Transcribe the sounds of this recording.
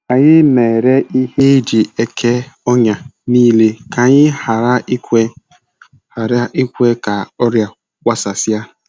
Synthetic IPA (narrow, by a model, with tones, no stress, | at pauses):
a˨ɲɪ˦me˨ɾe˦i˦he˦i˦d͡ʒi˨e˦kʰe˦ɔ˦ɲa˨niː˦le˦ka˨ɲɪ˦ha˨ɾa˦i˦kʷe˦ | ha˨ɾa˦ʔi˦kʷe˦ka˨ɔ˦ɾja˦ | kʷa˦sa˨sja˦